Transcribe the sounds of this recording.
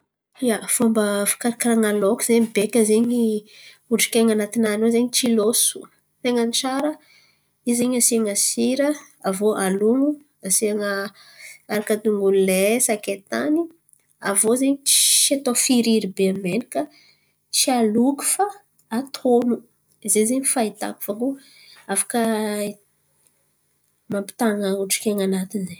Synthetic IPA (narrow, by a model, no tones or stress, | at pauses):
jav̥uambəfi̥kaɾakiɾaŋalokuzeɲibekʲəzeɲi | uɳɖ͡ʐi̥kʲeŋanat̪inanozeɲit͡ʃilosu̥ | t̪eŋənʈ͡ʂaɾə | izeɲasiaŋasiɾə | avoʔaluŋu | asiaŋə | aɾakad̪uŋɡulesaket̪ani | a̰vozeɲiʃat̪ofiɾiɾibeamenikə | t͡sialuku̥fa | at̪ʰonu | izezeɲifait̪a̰ku̥faku | afḁkə | mampi̥t̪aŋəuʈ͡ʂi̥kʲeŋanat̪inze